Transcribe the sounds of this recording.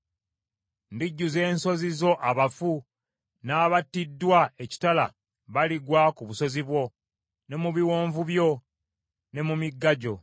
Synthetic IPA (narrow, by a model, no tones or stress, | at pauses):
ndiɟːuze̞ːnso̞zizo̞ʔaβafu | naːβatːidːwae̞ci̥tala̰ | βaliɡwakuβuso̞ziβwo̞ | ne̞muβiwoːɱvuβjo̞ | ne̞mumiɡːaɟo̞